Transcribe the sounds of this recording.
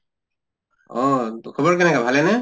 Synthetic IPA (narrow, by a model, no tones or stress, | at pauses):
ɔkʰubɔɹkɛnɛkabʱalɛnɛ